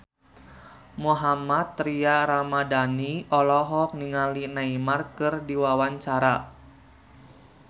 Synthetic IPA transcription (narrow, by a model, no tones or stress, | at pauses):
muɦamat̪ːɾiaɾamadaniɔlɔɦɔk̚niŋalinaimarkɨrdiwawaɲt͡ʃaɾa